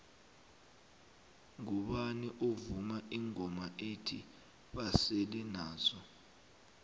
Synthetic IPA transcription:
ŋuɓaniʔovumaʔiŋɔmaʔetʰi | ɓaselinaːzɔ

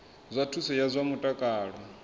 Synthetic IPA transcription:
zʷatʰusɛjazʷamutʼakʼaːɺɔ

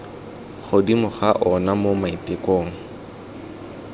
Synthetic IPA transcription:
χodimʊχaʔɔnamomaitekoːŋ̩

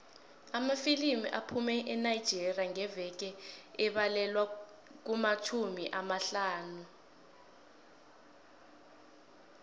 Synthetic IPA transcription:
amafilimiʔapʰumɛʔɛnajid̥d͡ʒ̥ʱerriaŋɛvɛk̬ɛɛɓalɛlwa | k̬umat͡ʃʰumḭʔamaɬaːnu

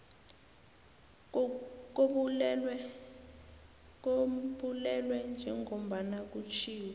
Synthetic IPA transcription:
k̬o | ɓulɛlwɛnd͡ʒʱɛŋʱom̩ɓanak̬ut͡ʃʰiːwɛ

